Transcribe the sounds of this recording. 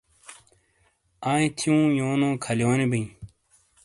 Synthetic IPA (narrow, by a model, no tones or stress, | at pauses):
ãːĩt̪ʰiũːjoːnõːkʰɐljoːnibiĩ